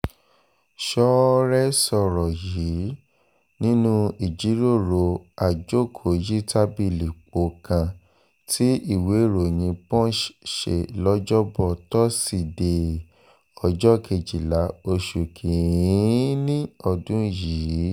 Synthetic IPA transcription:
ʃɔ˦ɾɛ˦sɔ˦˧ɾɔ˨ji˨˦ | nĩ˦nũ˦i˨d͡ʒi˨˦ɾo˦˨ɾo˧a˨d͡ʒo˦˨kʰo˨ji˦ta˦bi˧˨li˨k͡po˨˦kã˧ | tʰi˦i˦˨we˨˦˨ɾo˨j̃ĩ˧pɔ̃˦ʃḛ˨lɔ˦d͡ʒɔ˦bɔ˧˨tɔ˦si˦˨de˨ | ɔ˨d͡ʒɔ˦˨kʰe˧d͡ʒi˨la˨˦o˧ʃu˨kʰĩ˨˦ | nĩ˦ɔ˦˨dũ˨˦jiː˨˦

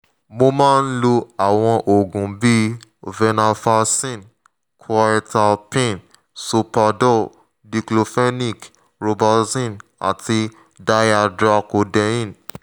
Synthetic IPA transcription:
mo˧mã˦˧n̩˦lo˧a˨w̃ɔ̃˧ʔo˨ɡũ˨bi˦vɛ˧na˧fa˧sĩ˦˨n | kʰwa˧ɾɛ˧ta˧lpẽ˦˨n | su˧pa˧dɔ˦˨ | di˧klo˧fɛ˦ni˦˨k | ɾo˧ba˧sĩ˦˨na̰˨tʰi˧ | da˧˦ja˧dɾa˧ko˧dɛ˧ĩ˦˨n

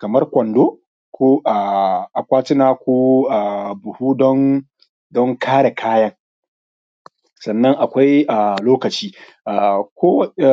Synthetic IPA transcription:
kɐ˨mɐ˦rkʷɔ˨ndoː˦ | kʷoː˦ʔaː˨ʔa˨kʷaː˦tɪ˦naː˨kʷoː˦ʔa˨bʊ˨huː˦dɔ˦ŋ | dɔ˦ŋkʰaː˦ɽa˨kʰaː˦jɐ˦ŋ | sɐ˨nːɐ˦ŋʔa˨kʷa˦jʔa˨loː˦kɐ˨t͡ʃiː˦ | ʔa˨kʷoː˦w

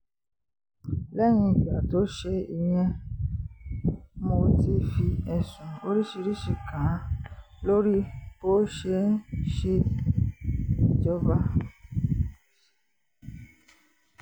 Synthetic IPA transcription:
lɛ˦j̃ĩ˧˨ɡ͡ba˨to˨˦ʃe˧i˧j̃ɛ̃˦ | mo˧ti˧fi˧ɛ˨sũ˨o˦ɾi˦ʃi˧ɾi˦ʃi˨kã˨˦ | lo˦ɾi˦bo˦ʃe˧˦ʃe˧˨ | d͡ʒɔ˦ba˧

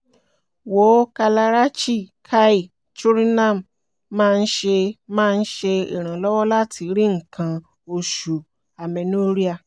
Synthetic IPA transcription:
wo˨˦ka˧la˧ɾa˦t͡ʃi˦˨kʰa˦i˦˨ | t͡ʃu˦ɾi˦nã˦˨m˨ | mãː˦˧n̩˦ʃe˧mãː˦˧n̩˦ʃe˧ḭ˨ɾ̃ã˨lɔ˦wɔ˦la˦tʰi˧ɾi˦ŋ̩˨kʰã˧ | o˧ʃu˨ | a˨mɛ̃˨nu˦˧˦ɾi˦a˧˨

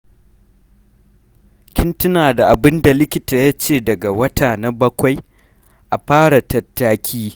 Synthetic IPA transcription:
kʲɪ˦ntɪ˦naː˨da˨ʔa˨bɪ˦nda˨lɪ˦kʲɪ˦ta˨ja˦t͡ʃeː˦˨dɐ˨ɡa˨wɐ˦taː˨na˦bɐ˦kʷa˨j | ʔa˨ɸaː˦ɽa˨tɐ˨tːaː˦kʲʰiː˦

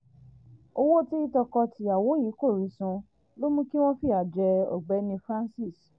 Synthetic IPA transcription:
o˧wo˦ti˦i˦tɔ˧kɔ˧ti˧˦a˨wo˨˦ji˨˦ko˦˨ɾi˨˦sũ˧ | lo˦mũ˦ki˦w̃ɔ̃˦fi˦˨a˨d͡ʒɛ˧ɔ̰˨ɡ͡bɛ˨˦nĩ˧fɾã˦nsi˦˨s

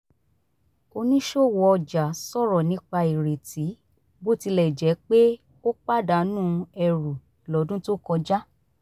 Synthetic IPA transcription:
o˧nĩ˦ʃo˦˨wɔ˧ɔ˧d͡ʒa˨sɔ˦˨ɾɔ˨nĩ˦k͡pa˧i˨ɾe˨ti˨˦ | bo˦ti˧lɛ˨d͡ʒɛ˨˦k͡pe˦ | o˦k͡pa˦˨da˨˦nũː˦ɛ˧ɾu˨lɔ˨˦dũ˦to˦kɔ˧d͡ʒa˦

